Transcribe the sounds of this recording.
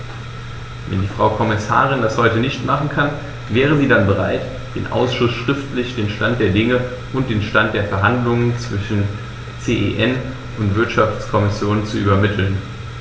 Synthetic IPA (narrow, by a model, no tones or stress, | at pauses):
vɛ̰ndiːfʁ̥aʊkʰɔmɪsa̰ːʁ̞ɪndashɔʏtənɪçtmaχn̩kʰan | vɛːʁəziːdanbəʁ̞a̰ɪt | d̥ḛːnʔa̰ʊsʃʊsʃʁ̥ɪftlɪçd̥eːnʃtantd̥eːɐdɪŋə | ʔʊnt̚d̥eːnʃtantd̥eːɐfɛɐɦandlʊŋənt͡sv̥ɪʃn̩ | t͡seːʔḛːʔɛn | ʊntv̥ɪɐtʃaft͡skʰɔmɪsjoːnt͡suʔyːbɐmɪtʰl̩n